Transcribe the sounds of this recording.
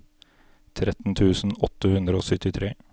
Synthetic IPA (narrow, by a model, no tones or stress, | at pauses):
t̪ʰɾɛt̪n̩t̪ʰʉːsn̩ɔt̪ːəhʉnd̪ɾəoːsœt̪ɪt̪ʰɾeː